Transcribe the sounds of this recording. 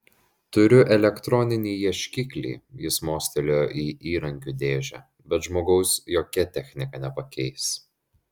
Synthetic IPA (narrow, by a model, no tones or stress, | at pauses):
t̪ʊɾʲʊʔɛlʲɛkt̪ɾɔnʲɪnʲiːjɛʃʲkʲɪkʲlʲḭːjɪsmoːsʲt̪ʲɛlʲoːjʔiːʔiːɾɐŋʲkʲuːd̪ʲeːʒʲɛ̰ | bʲɛt̪ʒmoːɡɐʊsjoːkʲɛt̪ʲɛxʲnʲɪkɐnʲɛpɐkʲɛɪs